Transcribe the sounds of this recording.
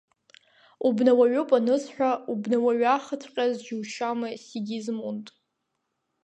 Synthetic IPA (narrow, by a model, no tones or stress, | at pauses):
ubnawaɥʊpʼanɨsħᶣʷaubnawaɥaχət͡sʷʰqʲʼazd͡ʒuwʃamɨsiɡʲizmuntʼ